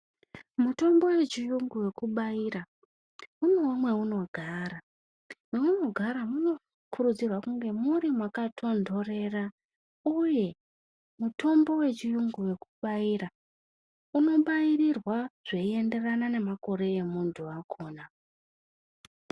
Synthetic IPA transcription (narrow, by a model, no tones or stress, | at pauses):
muto̞mbo̞we̞t͡ʃijuŋɡuwe̞kuɓaira | unewomwe̞uno̞ɡʱaɾa | mweuno̞ɡʱaɾamuno̞ | kʰuɾud͡zirwakuŋɡe̞muɾimwakatʰo̞ndo̞re̞ra | uje̞ | mutʰo̞mbo̞we̞t͡ʃijuŋɡuwe̞kuɓaira | uno̞ɓairirwaʐ̥e̞ie̞nde̞ranane̞mako̞ɾe̞emuntʰuakʰo̞ːna